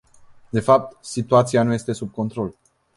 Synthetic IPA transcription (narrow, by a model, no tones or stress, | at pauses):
d̪e̞fap̚t̪sit̪uat̪sianuje̞st̪e̞sub̚ko̞nt̪ɾo̞l